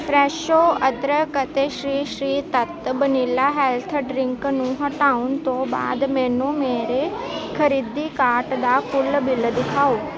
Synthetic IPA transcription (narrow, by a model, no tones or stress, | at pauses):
pɾɛːʃoːəd̪ɾəkət̪eʃɾiːʃɾiːt̪ət̪bənilaɦɛːlt̪ʰɖɾɪ̃ŋknũɦɐʈaːʊn̆t̪oba̰ːd̪mɛ̃ːnũmeːɾe | kʰəɾiːd̪ikaːʈd̪akʊlbɪld̪ɪkʰaːoː